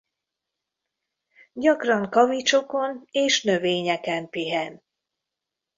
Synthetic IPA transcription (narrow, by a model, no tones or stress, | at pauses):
ɟɒkrɒŋkɒvit͡ʃo̞ko̞neːʃnø̞veːɲɛkɛmpiɦɛn